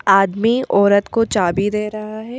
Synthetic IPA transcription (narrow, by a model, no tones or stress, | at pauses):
aːd̪miʔɔːɾət̪kot͡ʃaːbid̪eːɾɐɦaɦɛ